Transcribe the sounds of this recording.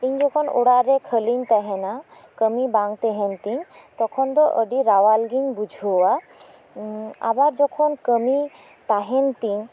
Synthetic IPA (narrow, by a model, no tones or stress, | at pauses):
t̪iɲd͡ʒɔkʰɔno̰ɽaɾekʰəliɲt̪aɦɛna | kəmibaŋt̪eɦɛnt̪iɲt̪ɔkʰɔnd̪ɔʔəɖiɾawalɡiɲbud͡ʒʱowa | a̰baɾd͡ʒɔkʰɔnkəmi | t̪aɦɛnt̪iɲ